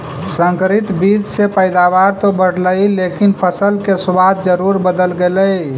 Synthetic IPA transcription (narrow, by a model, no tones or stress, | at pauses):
sə̃ŋkəɾit̪bid͡ʒsepəɪd̪abaɾt̪obəɽləjlekinpʰəsəlkeswad̪̚d͡ʒəɾuɾbəd̪əlɡeləj